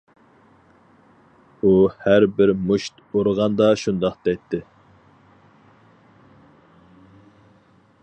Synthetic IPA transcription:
uhæɾbɪɾmuʃt̪oɾʁɑnd̪ɑʃund̪ɑqd̪ɛt̪ʰːɪ

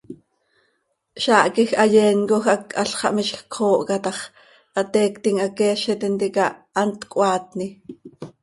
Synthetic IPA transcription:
ʃɑːʔkixɑjɛːnkoxʔɑkʔɑɬχɑ̰ʔmiʃxkʰoːʔkɑt̪ɑχ | ʔɑt̪ɛːkt̪iŋʔakɛːʃɛt̪int̪ikɑː | nt̪kʼʷɑːt̪ni

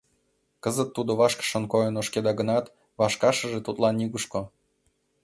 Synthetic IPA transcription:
kəzət̪ːud̪oβɑʃkə̥ʃə̆nkojənoʃked̪ɑɡə̆nɑt̪ | βɑʃkɑʃə̆ʒet̪ut̪lɑniɣuʃko

